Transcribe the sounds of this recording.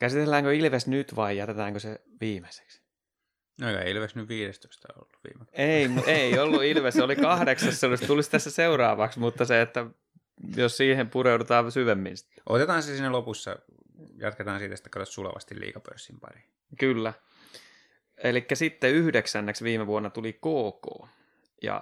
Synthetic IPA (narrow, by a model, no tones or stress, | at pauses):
kæsit̪elːæːŋkøilʋesnyt̪ʋɑijjæt̪et̪æːŋkøse | ʋiːmese̥ks | nokɑḛiilʋeksnyʋʋiːɾest̪o̥ist̪ɑo̰lːuʋḭːmekeimueiolːuilʋeseolikɑhdeksɑsːeolist̪ulist̪æsːæseurɑːʋɑksmut̪ːɑseet̪ːæ | jossiːhempureudut̪ɑːʋsyʋemːḭnsi̥t̪ːʔo̰t̪et̪ɑːnsesinːælopusːɑ̰ | jɑ̰t̪ket̪ɑːnsiːt̪æsi̥t̪ːæ̥kɑt̪ot̪sulɑ̰ʋɑ̰st̪ilḭːkɑpø̰rsːimpɑ̰ri̥ | kylːæ | elikːæsit̪ːeyhdeksænːeksʋiːmeʋuonːɑt̪ulikoːko̰ː | jɑ̰